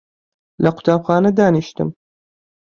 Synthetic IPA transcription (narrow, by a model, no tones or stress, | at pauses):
lɐqʰʊ̥t̪ʰaːbxaːnɐd̪aːniʃt̪ɨ̰m